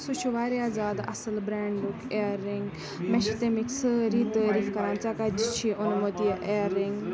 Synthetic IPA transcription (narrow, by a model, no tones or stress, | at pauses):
sut͡ʃʰuʋaːɾeaːzaːd̪ɐ̰səlbɾaːɳɖɖukeːɾːiŋɡ | mɛʃit̪emiksɾiːt̪əɾifkɐɾãːnt͡ʃakad͡ʒt͡ʃʰiʔʊnmot̪iʔeːɾiŋɡ